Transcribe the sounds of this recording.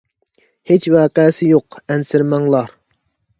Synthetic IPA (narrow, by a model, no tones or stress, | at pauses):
het͡ʃwɛːqɛsɪjoqɛnsɪɾmɛŋlˠɑɾ